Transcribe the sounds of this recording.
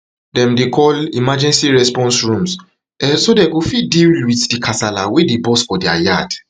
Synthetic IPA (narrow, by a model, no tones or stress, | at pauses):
dɛ̃mdekʰɔlimad͡ʒɛ̃nsiɹɛspɔ̃nsɹũms | ɛsodeɡofidilwiθdikʰasala̰wedebɔsfɔdia̰jad